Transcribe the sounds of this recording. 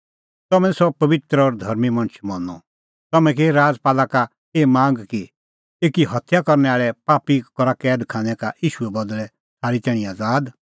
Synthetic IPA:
t̪ɐmɛ̃sɔpɐʋɪt̪ɾəɔɾd̪ʱɐɾmimɐ̃ñt͡ʃʰmɔnːɔ̰ | t̪ɐmɛ̃k̬eːɾaːd͡zpaːlaka | eːmãːŋɡki | eːkiɦɐt̪ʰjakɔɾnɛaːɭɛpaːpikɔɾakɛːd̪kʰãːnɛka̰iːʃuɛbɐd̪lɛ | saːɾit̪ɛːɽ̃iaːd͡zaːd̪

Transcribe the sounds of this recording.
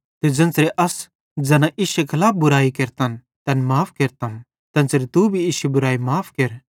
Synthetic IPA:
t̪ed͡ʒɐ̃nsɾeʔɐs | d͡ʒɐnãʔiːʃekʰɐlaːp̚ʰbʊɾaːikeɾt̪ɐn | t̪ɐ̃nmaːpʰkeːɾt̪ɐn | t̪ɐ̃nsɾet̪ubʱiiːʃebʊɾaːimaːpʰkeɾ

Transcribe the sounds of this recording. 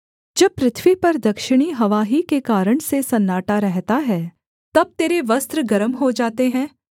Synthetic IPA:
d͡ʒɐb̚pɾɪt̪ʰʋipɐɾd̪ɐkʃɪɽ̃iɦɐʋaːɦikekaːɾəɽ̃sesɐnːaːʈaɾɛɦt̪aɦɛː | t̪ɐb̚t̪eːɾeʋɐst̪ɾəɡɐɾəmɦod͡ʒaːt̪eɦɛ̃ː

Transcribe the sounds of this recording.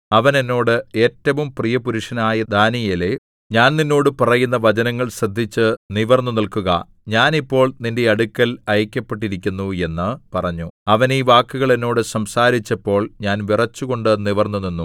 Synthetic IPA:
ɐʋɐne̞nːo̞ːɽɨe̞ːtːɐʋumprijɐpuɾuʂɐnaːjɐd̪aːnijɐle̞ | ɲaːnninːo̞ːɽɨpɐrɐjunːɐʋɐd͡ʑɐnɐŋːɐɭɕrɐd̪ʱːit͡ɕːɨniʋɐrnːunilkuɣɐ̰ | ɲaːnipːo̞ːɭninde̞ɐɽukʲːɐlɐjɐkʲːɐpːe̞ʈ̬ːiɾikʲːunːue̞nːɨpɐrɐɲːuɐʋɐniːʋaːkːuɣɐɭe̞nːo̞ːɽɨsɐmsaːɾit͡ɕːɐpːo̞ːɭɲaːnʋirɐt͡ɕːuɣo̞ɳɖɨniʋɐrnːuninːu

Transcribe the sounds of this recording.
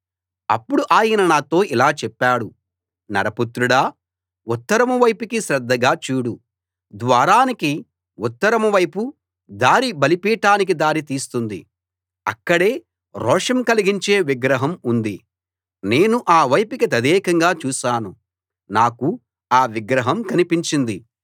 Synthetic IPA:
ɐ̰pːuɽuʔaːjinɐnaːt̪o̞ːʔilaːt͡ʃɛpːaːɽu | nɐ̰ɾɐput̪ɾuɽaː | ut̪ːɐɾɐmɐʋɐjpikiʃɾɛd̪ːɐɡaːt͡ʃuːɽu | d̪ʋaːɾaːniki | ut̪ːɐɾɐmɐʋɐjpu | d̪aːɾibɐlipiːʈaːnik̬id̪aːɾit̪iːst̪und̪ḭ | ɐ̰kːɐɽe̞ː | ɾɔːʂɐmkɐliɡiɲt͡ʃe̞ːʋiɡɾɐɦɐmund̪i | ne̞ːnuʔaːʋɐjpikit̪ɐd̪ɛːkɐŋɡaːt͡ʃuːʃaːnu | naːku | aːʋiɡɾɐɦɐmkɐnipiɲt͡ʃind̪i

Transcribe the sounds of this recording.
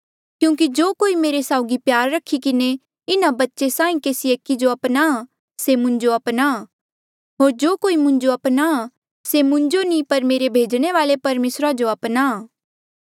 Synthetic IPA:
kjũːkid͡ʒoːkoːimeːɾesaːʊɡipjaːɾːɐkʰikɪne | ɪnabɐtːʃesãːĩkeːsieːkːid͡ʒoɐpna | semʊ̃ɲd͡ʒoɐpna | ɦoːɾd͡ʒoːkoːimʊ̃ɲd͡ʒoɐpna | semʊ̃ɲd͡ʒonĩpɐɾmeːɾebʱeːd͡ʒɽ̃eʋaːlepɐɾmeːsɾad͡ʒoɐpnaː

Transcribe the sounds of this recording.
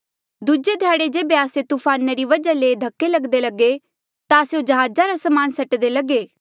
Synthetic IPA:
d̪ud͡ʒed̪ʱjaːɽed͡ʒeːbeaːset̪uːpʰaːneɾiʋɐd͡ʒaleːd̪ʱɐkːelɐɡd̪elɐɡe | t̪aːseõd͡ʒɐɦaːd͡ʒaɾasɐmaːnsɐʈd̪elɐɡeː

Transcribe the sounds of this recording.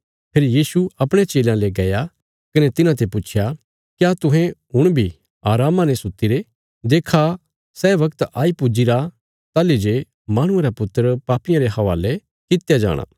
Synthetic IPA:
pʰeːɾijiːsuɐpɽ̃et͡ʃeːlãleɡɐja | kɐnɛt̪ɪnãt̪̬epʊt͡ʃʰja | kjat̪ʊ̃ɦẽɦʊɽ̃bʱi | aːɾaːmãnɛsʊt̪ːiɾe | d̪eːkʰa | sɛːʋɐkt̪aːipʊd͡ʒiɾa | t̪aːlid͡ʒe | maːɽ̃ʊ̃eɾapʊt̪ːəɾpaːpɪjãɾeɦɐʋa̰ːle | kɪt̪jad͡ʒa̰ːɽ̃a̰ː

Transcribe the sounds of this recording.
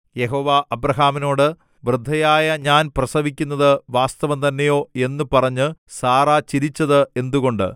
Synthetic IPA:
je̞ɦo̞ːʋaʔɐbɾɐɦaːmino̞ːɽɨ | ʋrɨd̪ʱːɐjaːjɐɲaːnprɐsɐʋikʲːunːɐðɨʋaːst̪ɐʋɐnt̪ɐnːejo̞ːe̞nːɨpɐrɐɲːɨsaːrat͡ɕiɾit͡ɕːɐðɨe̞nd̪uɣo̞ɳɖɨ̰

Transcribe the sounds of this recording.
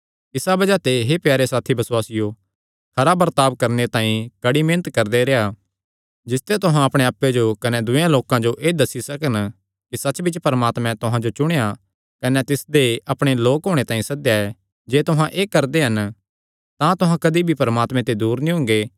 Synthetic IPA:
ɪsabɐd͡ʒat̪eɦepjaːɾesaːt̪ʰibɐswaːsɪjo | kʰɐɾabɐɾt̪aːbkɐɾnet̪ãːĩkɐɽimẽːnət̪kɐɾd̪eɾea | d͡ʒɪst̪ɛt̪ʊɦãɐpɽ̃eaːpːed͡ʒokɐnɛd̪ʊjãloːkãd͡ʒoʔeːd̪ɐsːisɐkən | kisɐtːt͡ʃbɪt͡ʃpɐɾəmaːt̪mɛ̃t̪ʊɦãd͡ʒot͡ʃʊɽ̃eja | kɐnɛt̪ɪsd̪eɐpɽ̃eloːkɦoːɽ̃et̪ãːĩsɐd̪jaɛ | d͡ʒeːt̪ʊɦãʔeːkɐɾd̪eɦɐn | t̪ãt̪ʊɦãkɐd̪ibʱipɐɾəmaːt̪mɛ̃t̪ed̪uːɾnĩɦʊ̃ŋɡeː

